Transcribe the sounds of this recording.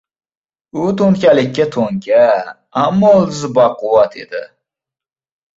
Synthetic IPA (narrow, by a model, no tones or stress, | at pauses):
ʊt̪ʰoŋkʲalɪkʲːat̪ʰoŋkʲa | amːɒlzbɑqʊwat̪ʰḛd̪ɪ̰